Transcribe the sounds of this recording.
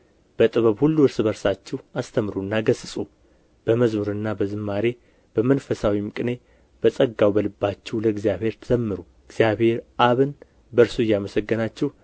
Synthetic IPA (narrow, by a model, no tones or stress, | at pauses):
b̥ət̪ʼɨβəβhulːuɨɾsɨbəɾsat͡ʃːɛwast̪ʰəmɾunːaɡəsɨsʼu | b̥əməzmuɾɨnːabəzɨmːaɾe̞ | b̥əmənfəsawimɨkʼɨne̞ | b̥əsʼəɡːawbəlɨbːat͡ʃːɛwləɡzijaβhe̞ɾt̪ʰɨzəmːɨɾu | ɨɡz̥ijaβhe̞ɾʔaβɨn | bəɾsujːaməsəɡːɨnat͡ʃːɛw